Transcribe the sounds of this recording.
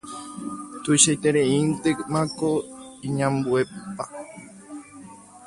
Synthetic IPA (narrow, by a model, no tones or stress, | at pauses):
t̪uʃajt̪eɾeint̪ekmãkoiɲãmbuepa